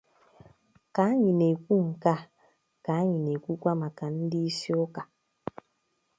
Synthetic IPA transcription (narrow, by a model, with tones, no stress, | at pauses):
ka˨˦ɲi˨ne˨kʷu˦ŋ̩˨ka˦ | ka˨˦ɲi˨ne˨ku˦kʷa˦ma˨ka˨n̩˦di˦si˦o˦ka˨